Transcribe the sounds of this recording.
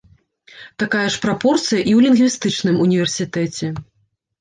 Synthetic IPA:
t̪akajɐʂpɾapɔrt̪sɨjɐʔiwlʲinɣvʲist̪ɨt͡ʂnɨmunʲivʲɛrsʲit̪ɛt͡sʲɛ

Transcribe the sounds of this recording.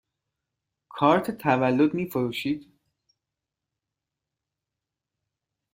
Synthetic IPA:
kʰɒːɾt̪ʰt̪ʰævælːod̪miːfoɾuːʃiːd̪̥

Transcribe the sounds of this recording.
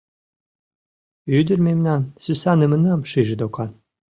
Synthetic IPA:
yd̪ɘ̆rmemnɑnsysɑnɘ̆mɘ̆nɑmʃiʒɘ̆d̪okɑn

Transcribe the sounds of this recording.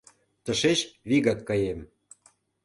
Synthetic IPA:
t̪ə̆ʃet͡ɕβiɣɑkːɑjem

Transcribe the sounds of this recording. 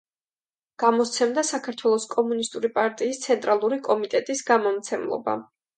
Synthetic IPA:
ɡ̥amɔt̪sʰɛmd̪asakʰaɾt̪ʰwɛlˠɔskʼɔmunist̪ʼuɾipʼaɾt̪ʼiːst̪sʰɛnt̪ʼɾalˠuɾikʼɔmit̪ʼɛt̪ʼisɡamɔmt̪sʰɛmlˠɔ̰ba̰

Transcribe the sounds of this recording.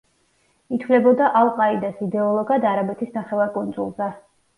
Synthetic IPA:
it̪ʰvlɛbɔd̪aʔalˠqʼaid̪asid̪ɛɔlˠɔɡad̪aɾabɛt̪ʰisnaχɛvaɾkʼɔnt̪sʼṵlˠza

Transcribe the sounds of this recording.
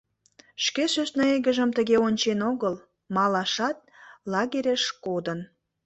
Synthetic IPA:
ʃkeʃøsnɑeɣə̆ʒəmt̪əɣeonʲt͡ɕenoɣəl | mɑlɑʃɑt̪̚lɑɣeɾʲeʃkod̪ən

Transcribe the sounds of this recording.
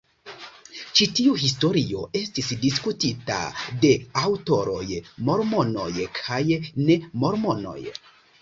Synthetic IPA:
t͡ʃitiuhis̬to̞ɾio̞̰e̞stisdis̬kutita̰de̞awto̞ɾo̞̰jmo̞ɾmo̞no̞jkʰajne̞mo̞ɾmo̞no̞̰j

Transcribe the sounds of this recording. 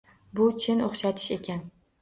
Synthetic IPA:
bʊt͡ʃʰɪnoχʃat̪ʰɪ̥ʃe̞kʲʰan

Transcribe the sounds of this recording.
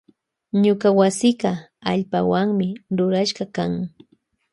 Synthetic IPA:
ɲʊkawasɪɢɑaʎpawaŋmɪɾʊɾaʃɢɑkaŋ

